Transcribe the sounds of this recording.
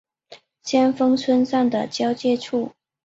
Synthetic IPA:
ɕjɛ˥nfɤ˥ŋt͡sʰwə˥nsa˥˩ŋd̪ə˩t͡ɕjɑ˥ʊt͡ɕjɛ˥˧ʈ͡ʂʰu˥˩

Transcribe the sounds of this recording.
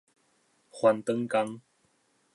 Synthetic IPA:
hwa˧nt̪ə˦ŋka˧ŋ

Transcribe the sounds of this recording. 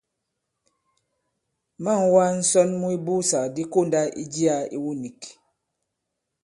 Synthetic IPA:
ma˦˨ŋwa˦n̩˦sɔ˦nmu˦i˦bu˦sa˨di˦ko˦˨nda˦ʔḭ˦d͡ʒi˦a˦ḭ˦wu˦ni˨k

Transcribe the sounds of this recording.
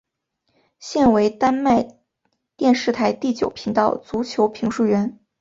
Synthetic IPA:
ɕjɛ˥˩nwe˧˥ɪt̪a˥nma˥˧ɪ | t̪jɛ˥˧nʂɻ̩˥˩t̪ʰa˧˥ɪt̪i˥˩t͡ɕjo˨˩ʊpʰi˧˥ŋt̪ɑ˥˩ʊt͡su˧˥t͡ɕʰjo˧˥ʊpʰi˧˥ŋʂu˥˩ɥɛ˧˥n

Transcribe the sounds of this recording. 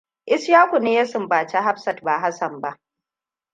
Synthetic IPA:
ʔɪ˦sjaː˦kʷu˨neː˦jɐ˦sɪ˨mbaː˨t͡ʃa˦ɦa˦ɸsɐ˨tbaː˨ɦa˦sɐ˨mba˦ʔ

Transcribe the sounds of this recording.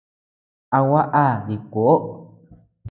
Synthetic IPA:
a˧wa˦ʔa˦˨ði˨kʷo˨ʔo˦

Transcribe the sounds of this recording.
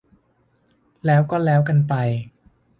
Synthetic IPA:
lɛː˦˥wkɔː˥˩lɛː˦˥wka˧npa˧j

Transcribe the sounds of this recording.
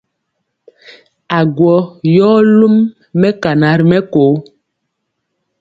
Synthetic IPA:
a˨ɡwɔ˨˦jɔː˦lu˦mː | ɛ˦ka˨na˨˦ɾi˨mɛ˦koː˨˦

